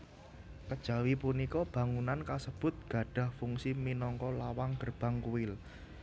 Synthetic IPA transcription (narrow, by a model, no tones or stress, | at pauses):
kəd̥ʒ̥ä̤wipunikɔb̥ä̤ŋunankasəb̥ʊ̤t̪̚ɡ̥a̤ɖ̥ä̤hfuŋsiminɔŋkɔlawaŋɡ̥ərb̥a̤ŋkuwɪl